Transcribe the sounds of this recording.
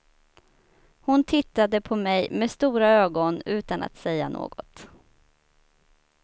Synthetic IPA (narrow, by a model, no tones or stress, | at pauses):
hʊnt̪ʰɪt̪ːad̪əpʰɔmɛjmest̪uːɾaøːɡɔnʉ̟ːt̪ana̰t̪sɛjːanʔo̰ːɡɔ̰t̪